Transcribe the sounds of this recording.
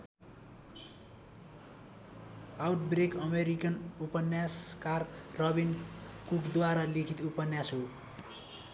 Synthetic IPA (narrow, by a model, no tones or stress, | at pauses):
awʈ̚brekʌmeɾikʌnupʌnːjaskarːʌbinkukd̪waɾalikʰit̪upʌnjasɦo